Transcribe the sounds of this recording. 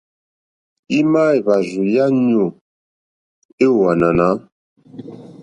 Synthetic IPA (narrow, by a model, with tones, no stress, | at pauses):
i˦ma˦e˨va˨zu˨ja˦ɲo˨ | e˦˨wa˨na˨na˨˦